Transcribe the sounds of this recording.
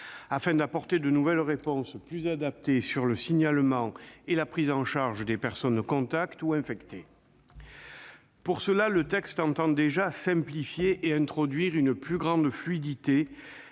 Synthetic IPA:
afɛ̃d̪apɔʁt̪ed̪ənuvɛlʁepɔ̃splyzad̪ap̚t̪esyʁləsiɲalmɑ̃elapχizɑ̃ʃaʁʒəd̪epɛʁsɔnkɔ̃t̪akt̪uɛ̃fɛkt̪e | puʁsəlalət̪ɛkst̪ɑ̃t̪ɑ̃d̪eʒasɛ̃mplifjeʔeɛ̃t̪χɔd̪ɥiʁynəplyɡʁɑ̃d̪flɥid̪it̪e

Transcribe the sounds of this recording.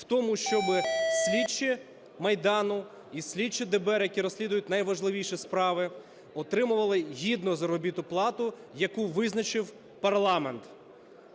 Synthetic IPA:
wt̪ɔmʊʃt͡ʃɔbɪsʲlʲit͡ʃɪ | mɐjd̪ɑnʊ | isʲlʲit͡ʃɪd̪ebɛɾjɐkʲiɾɔsʲlʲid̪ʊjʊt̪̚ʲnɐjʋɐʒlˠɪʋʲijʃispɾɑʋɪ | ɔt̪ɾɪmʊʋɐlˠɪɦʲid̪nʊzɐɾɔbʲit̪ʊplˠɑt̪ʊ | jɐkuʋɪznɐt͡ʃɪw | pɐrlˠɑment̪

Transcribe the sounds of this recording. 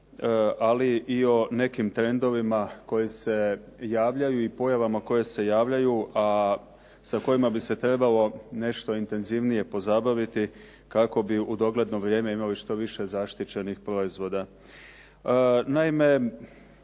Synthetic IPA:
aliʔio̞ne̞kimt̪ɾe̞nd̪o̞ʋimako̞jese̞jaːʋʎajuipo̞jaʋamako̞je̞se̞jaːʋʎajuʔa | sako̞jimabise̞t̪ɾe̞balo̞ne̞ʃt̪o̞int̪e̞nziʋnije̞po̞zabaʋit̪i | kako̞biud̪o̞ɡle̞d̪no̞ʋɾje̞ːme̞imaliʃt̪o̞ʋiʃe̞zaʃt̪it͡ɕe̞nixpɾo̞izʋo̞d̪a | naime̞

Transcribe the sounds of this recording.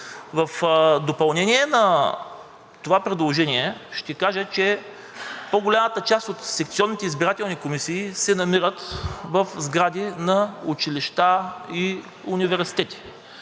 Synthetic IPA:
vɐfd̪opɐlˠnɛniɛnɐ | t̪ovapɾɛd̪lˠoʒɛniɛʃt̪ɛkaʒət͡ʃɛ | poɡolʲamət̪ət͡ʃast̪ot̪sɛk̚t̪siɔnːit̪ɛizbiɾat̪ɛlˠnikomisiːsɛnɐmiɾət̪vɐfzɡɾad̪inɐut͡ʃiliʃt̪ai | univɛɾsi̥t̪ɛt̪i̥

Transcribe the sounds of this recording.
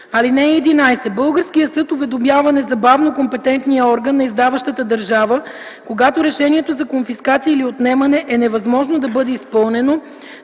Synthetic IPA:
ɐlinɛːd̪inajsɛbɤlˠɡəɾskijəsɤt̪ovɛd̪omʲjavɐnɛzɐbavnokompɛt̪ɛnt̪nijəɔɾɡənːɐizd̪avɐʃt̪ət̪əd̪ɐɾʒavə | koɡat̪oɾɛʃɛniɛt̪ozɐkonfiskat̪siəiliot̪nɛmɐnɛʔɛnɛvɐzmɔʒnod̪ɐbɤd̪ɛispɤlˠnɛno

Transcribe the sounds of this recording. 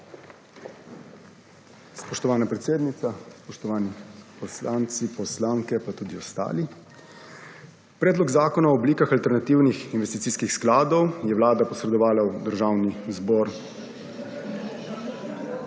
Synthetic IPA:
spɔʃt̪ɔʋaːnapɾɛt̪seːd̪nit̪saspɔʃt̪ɔʋaːnipɔslant̪sipɔslaːŋkɛpat̪uːd̪iɔst̪a̰ːli | pɾɛːd̪lɔɡzaːkɔnaɔːbliːkaxalt̪ɛɾnat̪iːwnixinʋɛst̪it̪siːskixsklaːd̪ɔwjɛʋwlaːd̪apɔsɾɛd̪ɔʋaːlawd̪əɾʒaːwnizbɔːɾ

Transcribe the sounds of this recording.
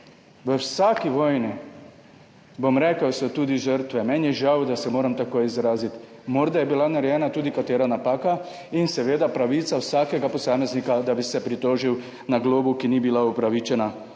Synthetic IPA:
ʋəwsaːkiʋɔːjni | bomɾɛːkəwsɔt̪uːd̪iʒəɾt̪ʋɛmɛnjɛʒawd̪asɛmoːɾamt̪akoːjizɾaːzit̪ | moːɾd̪ajɛbilanaɾɛjɛːnat̪uːd̪ikat̪eːɾanapaːka | insɛʋeːd̪apɾaʋiːt̪sawsaːkɛɡapɔsaːmɛznikad̪abisɛpɾit̪oːʒiw | naɡloːbukinibilaupɾaʋiːt͡ʃɛna

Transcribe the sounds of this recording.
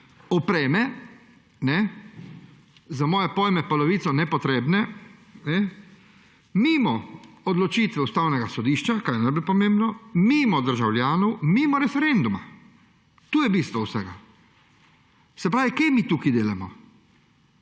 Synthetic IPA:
ɔpɾɛːmɛ | nɛ | zamɔːjɛpɔːjmɛpɔlɔʋiːt̪sɔnɛpɔt̪ɾeːbnɛnɛ | miːmɔ | ɔd̪lɔt͡ʃiːt̪ʋɛust̪aːwnɛɡasɔd̪iːʃt͡ʃakaːjɛnablpɔmẽmbnɔmiːmɔd̪əɾʒawlʲjaːnɔwmimɔɾɛfɛɾend̪uma̰ | t̪uːjɛbiːst̪ʋɔwsɛɡa | sɛpɾaːʋikejmit̪uːkid̪eːlamɔ

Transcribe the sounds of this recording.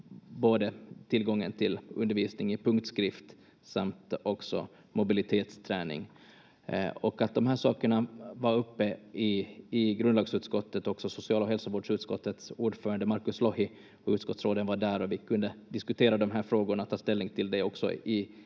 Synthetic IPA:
boːd̪ət̪ʰɪlɡɔŋːə̰nt̪ʰɪlɵ̰nd̪əɾviːsnɪŋɪpʰɵŋkt̪skɾɪft̪ | samt̪ɔksɔ̰ | mʊbɪlɪt̪ʰeːt̪st̪ʰɾɛ̰ːnɪ̰ŋ | ɔkat̪̚d̪ɔmɦæːʂɑːkəɳavaɾɵpːəɪɪɡɾɵnd̪ɑːɡsʉ̟ːt̪skɔt̪ːət̪ɔksɔsʊsɪɑːlɔɦɛlsavoːɖʂʉ̟ːt̪skɔt̪ːət̪suːɖfœːɾand̪əmaɾkɵslɔhɪ | ɔʉ̟ːt̪skɔt̪sɾoːd̪ənvaɖæɾɔvɪkʰɵnd̪əd̪ɪskɵt̪ʰeːɾad̪ɔmɦæːɾfɾoːɡʊɳat̪ʰːɑːst̪ɛlnɪŋt̪ʰɪld̪ɛɔksɔ̰ɪ

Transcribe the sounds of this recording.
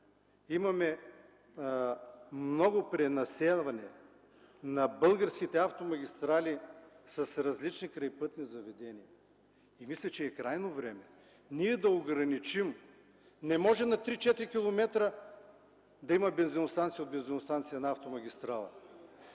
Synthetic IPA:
imɐmɛ | mnɔɡʊpɾɛnɐsɛlˠvɐnɛ | nɐbɤlˠɡəɾsk̟it̪ɛaft̪omɐɡʲist̪ɾalʲi | sɐsɾɐzlit͡ʃnikɾɐjpɤt̪nizɐvɛd̪ɛniɐ | imislʲɛt͡ʃɛːkɾajnovɾɛmɛ | niɛd̪ɐoɡɾɐnit͡ʃim | nɛmɔʒɛmnɐt̪ɾit͡ʃɛt̪ɾikʲilˠomɛt̪ɾə | d̪ɐimɐbɛnzinost̪ant̪sijod̪bɛnzinost̪ant̪sijɐnɐaft̪omɐɡʲist̪ɾalˠɐ̰

